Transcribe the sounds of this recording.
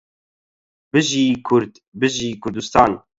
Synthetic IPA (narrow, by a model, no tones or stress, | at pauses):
bɨʒiːkʰʊɾd̪ | bɨʒiːkʰʊɾd̪ust̪ɑːn